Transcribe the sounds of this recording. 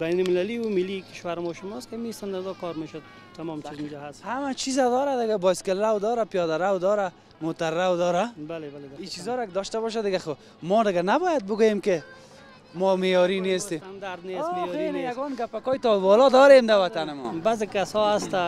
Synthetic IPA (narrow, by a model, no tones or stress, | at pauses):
bajnʊlmɪlaliwumilːikɪ̥ʃwaɾɪmɔʃʊmɔskɪamisand̪aɾd̪ɔkɔɾmeʃod̪̚ | t̪amɔmt͡ʃizund͡ʒɔɦashamat͡ʃʰizad̪ɔɾad̪ɪɡabɔskɪlːawd̪ɔɾapijɔd̪aɾawd̪ɔɾa | mot̪aɾːawd̪ɔɾabalebaleit͡ʃizɔɾakɪd̪ɔʃt̪abɔʃ̬ad̪ɪɡaxo | mɔd̪ɪɡanabɔjad̪̚bʊɡojemkɪ | mɔmejɔɾinest̪emand̪aɾd̪neeenejaɡɔnɡapakɔjt̪ɔbɔlɔd̪ɔɾemd̪awat̪anɪmɔ̰bazɪkasɔast̪a